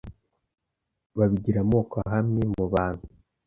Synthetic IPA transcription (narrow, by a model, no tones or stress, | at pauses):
βaβiɟiɾamoːkaɦamŋe̞muβaːn̥hu